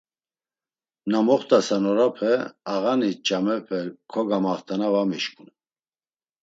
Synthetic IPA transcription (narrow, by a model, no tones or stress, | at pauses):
namɔχt̪ʼasanɔɾapʰɛaɣanit͡ʃʼamɛpʰɛkʰɔɡamaχt̪ʰʼanavamiʃkʼun